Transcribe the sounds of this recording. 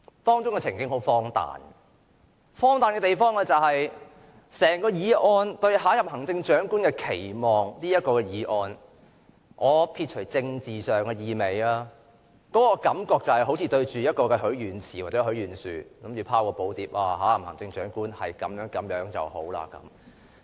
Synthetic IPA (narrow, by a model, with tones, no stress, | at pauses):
t̪ɔː˥ŋt͡ʃʊ˥ŋkɛ˧t͡sʰɪ˨˩ŋkɪ˥ŋho˨˥wfɔː˥ŋt̪a̰ː˨n | fɔː˥ŋt̪aː˨nkɛː˧t̪e˨jfɔː˥ŋlɛ˧t͡sɐ˨whɐ˨j | sɛː˨˩ŋkɔː˧jiː˨˧ʔɔː˧nt̪ɵ˧ɥɦaː˨˥jɐ˨p̚hɐ˨˩ŋt͡sɪ˧ŋt͡ʃœː˨˥ŋkuː˥nkɛː˧kʰe˨˩jmɔː˨ŋniː˥jɐt̚kɔː˧kɛ˧jiː˨˥ʔɔː˧n | ʔɔː˨˧pʰiː˧t̚t͡ʃʰɵ˨˩jt͡sɪ˧ŋt͡siː˨sœː˨ŋkɛː˧jiː˨˧me˨jaː˧˥ | kɔː˨˥kɔ˧kɐ˨˥mkɔː˧k̚t͡sɐ˨whɐ˨jɦo˨˥wt͡sʰiː˨˧t̪ɵ˧ɥt͡ʃyː˨jɐ˥t̚kɔː˧kɛ˧ɦɵ˨˥ɥɥyː˨˩nt͡sʰiː˨˩waː˨t͡sɛ˨˧˥ɦɵ˨˥ɥɥyː˨˩nsyː˨kɐ˨˦˥mjy˨˧wpʰaː˥wkɔː˧po˨˥wt̪iː˨˥p̚aː˧ɦaː˨˥jɐ˨p̚hɐ˨˩ŋt͡sɪ˧ŋt͡ʃœː˨˥ŋkuː˥nhɐ̰˨jkɐ˨˥mjœː˨˥ŋkɐ˨˥mjœː˨˥ŋt͡sɐ̰˨who̰˨˥wla̰ː˧kɐ̰˨˦m